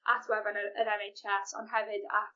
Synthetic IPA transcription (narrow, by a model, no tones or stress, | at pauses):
ʔatʰwɛvanəəɾɛnejt͡ʃʰɛsɔ̰nɦɛvɨda̰